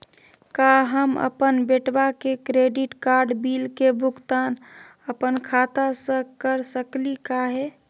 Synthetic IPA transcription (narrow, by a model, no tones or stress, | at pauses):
kaɦəmə̰pənbeʈbakekɾeɖiʈkaɾɖbilkebʱʊkt̪an | əpənkʰat̪asə̃kəɾsəklikaɦɛ